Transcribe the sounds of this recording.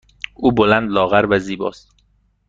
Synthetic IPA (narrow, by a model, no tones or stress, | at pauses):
ʔuːbolænd̪lɒːɣæɾvæziːbɒ̰ːst̪